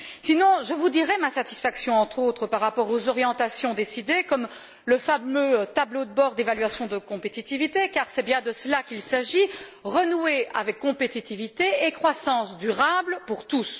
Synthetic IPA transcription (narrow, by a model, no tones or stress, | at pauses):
sinɔ̃ʒəvud̪iʁɛmasat̪i̥sfaksjɔ̃ɑ̃t̪χot̪χəpaʁːapɔʁozɔʁjɑ̃t̪asjɔ̃d̪esid̪ekɔm | ləfamøt̪ablod̪əbɔːʁd̪evalɥasjɔ̃d̪əkɔ̃pet̪it̪ivit̪ekaʁsɛbjɛ̃d̪əsəlakilsaʒiʁənueavɛkːɔ̃pet̪it̪ivit̪eekχwasɑ̃sd̪yʁablpuʁt̪us